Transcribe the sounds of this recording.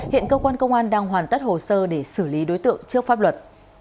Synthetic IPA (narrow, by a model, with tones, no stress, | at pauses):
hḭ˧˨ənkəː˧kwaː˧nkə˧wŋ͡mʔaː˧nɗaː˧ŋɦwaː˨˩nt̪ə˦˥t̚ho˨˩səː˧ɗe˧˩sɨ˧˩li˨˦ɗo˨˦jt̪ɨ̰˧˨əŋt͡ɕɨ˦˥ək̚faː˦˥p̚lwə˨˩t̚